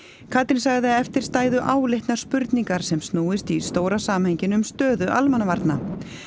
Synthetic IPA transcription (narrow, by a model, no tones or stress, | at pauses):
kʰat̪ɪnsaɣðɪaɛft̪ɪɾ̥st̪aːjðʏʔaːwlejht̪nḁspʏɾt̪niŋkaɾ̥sɛmst̪nuːɪst̪ist̪oːwɾasaːmheɲcɪnʏmst̪œːðʏʔalmanavaɾt̪na